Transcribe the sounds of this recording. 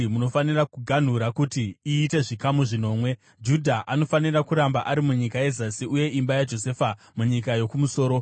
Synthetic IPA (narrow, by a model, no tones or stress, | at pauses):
muno̞fanirakuɡʱan̤uɾakutiiːte̞ʐikamuʐino̞ːmwe̞ | d͡ʒudʱaʔano̞fanirakuɾambaʔaɾimuɲikaje̞zasiuje̞imbajad͡ʒo̞se̞ːfa | muɲikajo̞kumuso̞ːɾo̞